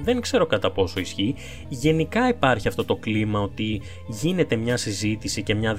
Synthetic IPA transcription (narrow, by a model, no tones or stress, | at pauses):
ðe̞ŋkse̞ɾo̞kɐt̪ɐpo̞so̞isçi | ʝe̞nikɐipɐɾçiɐft̪o̞t̪o̞klimɐo̞t̪i | ʝine̞t̪e̞mɲɐsizit̪isice̞mɲɐ